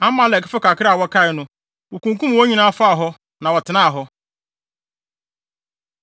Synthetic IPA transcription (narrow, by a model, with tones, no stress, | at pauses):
ã˦mã˦lɛ˨kɪ˦fɪ˦kʰa˨kʰɪ˦ɾwɔ˦kʰa˦ɪ˨nʊ̃˦ | wo˨kũ˨ŋkũ˦˨wɔ˦ɲĩ˦nã˦a˦fa˦a˨ɦɔ˦ | nã˨wɔ˨tʰɪ˨nã˦a˨ɦɔ˦